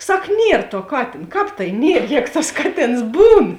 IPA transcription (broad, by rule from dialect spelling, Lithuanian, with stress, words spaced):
ˈsɐk ˈnʲiɛr tuɔ ˈkɑːtʲeːn ˈkɑːp tɐɪ nʲiɛrʲˈjɛːɡʊ tɐs ˈkɑːˌtʲeːns ˈbuːn